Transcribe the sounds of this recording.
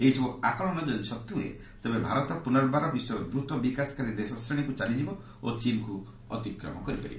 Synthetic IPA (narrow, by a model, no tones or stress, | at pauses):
eɦisɔbuakɔɽ̃ɔnɔd͡ʒɔnsɔt̪ːuḛ | t̪ebebʱaɾɔt̪ɔpunɔɾbaɾɔbiswɔɾɔbɾut̪ɔbikasɔ̥kaɾid̪esɔsɾeɽ̃ikut͡ʃanid͡ʒibɔ | ot͡ʃimku | ɔ̰t̪ikɾɔ̰mɔ̰kɔɾipa̰ɾibɔ